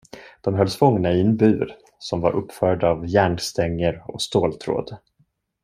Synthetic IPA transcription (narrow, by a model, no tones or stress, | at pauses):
d̪̥ɔmɦœlːsfɔŋnaɪɛnbʉ̟ːɾ | sɔmva̰ɾʔɵpːfœːɖavjæːɳst̪ɛŋːəɾɔ̰st̪oːlt̪ʰɾo̰ːd̪